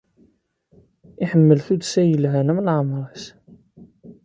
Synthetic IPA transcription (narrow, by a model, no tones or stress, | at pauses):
ɪħəmːəlθud̪sæjəlɦænæməlʕəmɾˤɑs